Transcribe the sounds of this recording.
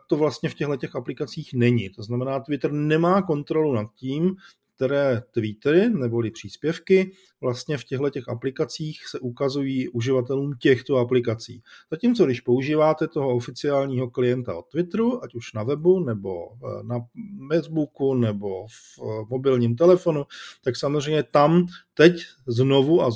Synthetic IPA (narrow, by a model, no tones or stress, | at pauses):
t̪o̞vlast̪ɲɛfcɛɦlɛcɛxʔaplɪkat͡siːxnɛɲɪt̪o̞znamɛnaːt̪vɪt̪r̩nɛmaːko̞nt̪ɾo̞lunat̪̚ciːmkt̪ɛɾɛːt̪vɪt̪ɾɪnɛbo̞lɪpr̝̥iːspjɛfkɪ | vlast̪ɲɛfcɛɦlɛcɛxaplɪkat͡siːxsɛʔukazujiːʔuʒɪvat̪ɛluːmcɛxt̪o̞aplɪkat͡sḭːz̥aciːmt͡sodɪʃpo̞uʒiːvaːt̪ɛt̪o̞ɦo̞ofɪt͡sɪaːlɲiːɦo̞klɪjɛnt̪a̰ʔo̞t̪vɪt̪ɾuʔacuʃnavɛbunɛbo̞̰namɛt̪bukunɛbo̞f | mo̞bɪlɲiːmt̪̬ɛlɛfo̞nut̪aksamozrɛjmɲɛt̪amt̪ɛc | zno̞vuʔa